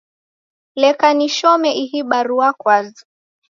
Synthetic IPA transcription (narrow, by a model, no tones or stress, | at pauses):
lɛkaniʃɔmɛʔiɦiɓaɾuakwazu